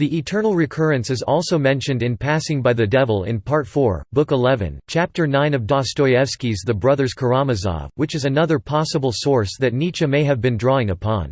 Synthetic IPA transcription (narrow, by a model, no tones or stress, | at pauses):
ðiʔɨtʰɜ̃˞nl̩ˠɹɨkʰɜ˞ɨ̃nsɨzɔlˠsoʊmɛ̃nʃɨ̃ndɨ̃npʰæsɪ̃ŋbaɪðɨdɛvl̩ˠɪ̰̃npʰɑɹtfɔɹbʊkəlɛvɨ̰̃nt͡ʃʰæp̚tə˞nãɪ̃nʌvdɑstɔɪɛfskizðɨbɹʌðə˞z̥kʰə˞ɑmɨzɑ̰vwɨt͡ʃɨzɨnʌðə˞pʰɑsəbl̩ˠsɔɹsðɨtⁿnit͡ʃɨmeɪɨvbɨ̃ndɹɔɪ̃ŋəpʰɑ̰̃n